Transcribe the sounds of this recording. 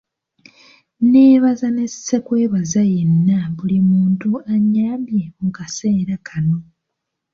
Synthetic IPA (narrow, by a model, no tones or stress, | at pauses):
ne̞ːβazane̞ssekwe̞ːβazajenːaβulimuːntuaɲaːmbje̞muukase̞ːɾakʰano̞